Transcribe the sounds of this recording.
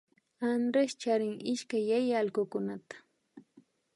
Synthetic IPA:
and̪ɾest͡ʃaɾɪŋɪʃkajːajalɢʊkʊnat̪ḁ

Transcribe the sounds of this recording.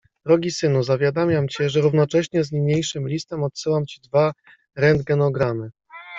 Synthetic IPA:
d̪̥ɾɔɡʲisɘnuzavʲjad̪amʲjamt͡ɕɛʐɛɾuvn̪ɔt͡ʂɛɕɲɛzɲiɲejʂɘmlʲist̪ɛmɔt̪sɘwamt͡ɕid̪va | ɾɛnd̪ɡɛnɔɡɾamɘ

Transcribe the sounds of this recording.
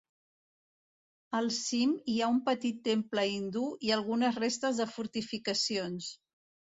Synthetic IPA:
əlˠsimiaumpət̪it̪ːempləind̪uiəlˠɣunəzrest̪əzðəfuɾt̪ifikəsions

